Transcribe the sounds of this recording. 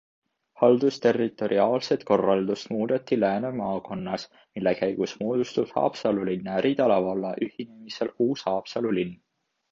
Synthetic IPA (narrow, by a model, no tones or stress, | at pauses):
hɑld̪̥ust̪e̞rːit̪ˑo̞ɾiɑːlse̞t̪ko̞rːɑld̪̥ust̪muːd̪̥et̪ːilæːnemɑːko̞nːɑs | milːekæjɡ̥usmoːd̪̥ust̪ud̪̥hɑ̰ːpsɑlulinːæɾit̪ɑlɑvɑlːɑʔyhinemise̞luːshɑːpsɑlulinː